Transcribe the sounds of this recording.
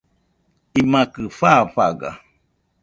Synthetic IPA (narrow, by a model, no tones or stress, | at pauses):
imãkɨfaɸaɡa̰